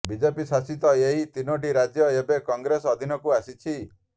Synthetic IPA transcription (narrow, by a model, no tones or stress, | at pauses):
bid͡ʒepisasit̪ɔeɦit̪inoʈiɾad͡ʒjɔebekɔŋɡɾesɔd̪ʱinɔkuasit͡ʃʰi